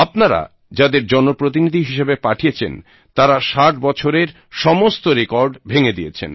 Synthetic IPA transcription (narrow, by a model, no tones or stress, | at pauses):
apnaɾa̰ | d͡ʑad̪eɾd͡ʑɔnopɾot̪̬inid̪ʱiɦiʃebepaʈʰijet͡ɕʰḛn | t̪aɾaʃaʈbɔt͡ɕʰoɾeɾ | ʃɔmost̪oɾekɔɾɖbʱeŋed̪ijet͡ɕʰḛn